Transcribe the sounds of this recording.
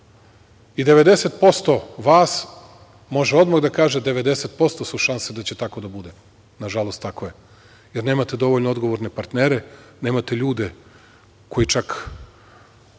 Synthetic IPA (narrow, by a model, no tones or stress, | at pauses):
id̪e̞ʋe̞d̪e̞set̪po̞st̪o̞ʋaːs | mo̞ʒeo̞d̪maɣd̪akaːʒed̪e̞ʋe̞d̪e̞set̪̚po̞st̪o̞suʃansed̪at͡ɕe̞t̪ako̞d̪abud̪e | naʒalost̪akoje | jeɾne̞ːmat̪e̞d̪o̞ʋo̞ʎnood̪ɡo̞ʋoɾnepaɾt̪neːɾene̞ːmat̪eʎuːd̪e | ko̞jit͡ʃak